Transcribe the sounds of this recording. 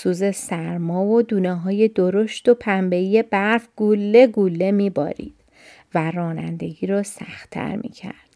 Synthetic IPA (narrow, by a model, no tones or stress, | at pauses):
suːze̞sæɾmɒːvod̪uːneɦɒːje̞d̪oɾo̞ʃt̪o̞pʰæmbe̞ije̞bæɾfɡ̥ulːe̞ɡulːe̞miːbɒ̰ːɾḭːd̪̥ | værɒːnæ̰nd̪e̞ɡiːɾɒːsæ̰xt̪ʰːæ̰ɾmʔḭːcʰæ̰ɾd̪̥